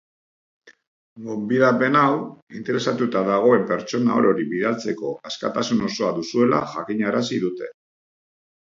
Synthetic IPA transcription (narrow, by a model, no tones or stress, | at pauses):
ɡo̞mbiðape̞nawint̪e̞ɾe̞sat̪ut̪aðaɣ̞o̞e̞mpe̞ɾt͡ʃo̞nao̞̰ɾo̞ɾiβiðalt͡se̞ko̞aska̰t̪asuno̞so̞aðusue̞la̰ʝakiɲaɾasiðut̪e̞